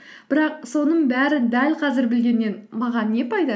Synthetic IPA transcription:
b̥ɪɾɑq̚so̞nəɴbæɾɪd̪ælqʰɑzɪɾbɪlɡʲe̞nːe̞nmɑʁɑnːe̞pʰɑjd̪ɑ

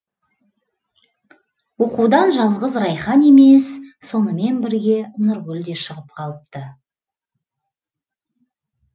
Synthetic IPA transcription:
wo̞qud̪ɑnʒɑlˠʁəzɾɑjχɑne̞me̞sːo̞nəme̞nbɪɾɡʲe̞nʊɾɡʲʏld̪e̞ʃəʁəp̚qʰɑlˠəp̚t̪ə

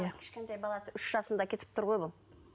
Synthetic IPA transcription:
ɪ̥ʃkʲe̞nt̪ejbɑlˠɑsəʏʃʒ̥ɑsənd̪ɑkʲʰe̞t̪ɪ̥p̚t̪ʰʊɾʁojbʊlˠ

